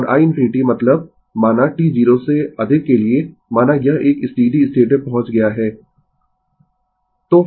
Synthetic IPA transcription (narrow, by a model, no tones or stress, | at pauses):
ɔːɾʔa̰ːɪ̃nfʰɪnɪʈimɐt̪ləb̚ | maːnaʈiːziːɾoseɐd̪ʱɪkːeliemaːnajɐɦʔeːkɪst̪iːd̪ʱiɪsʈ̪ʰeːʈepɐɦʊ̃t͡ʃɡɐjaɦɛː | t̪oː